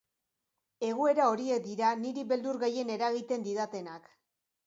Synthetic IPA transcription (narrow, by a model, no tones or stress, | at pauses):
e̞ɣ̞ue̞ɾao̞ɾie̞k̚d̪iɾaniɾiβe̞ld̪uɾɣaje̞ne̞ɾaɣit̪e̞nd̪iðat̪e̞nak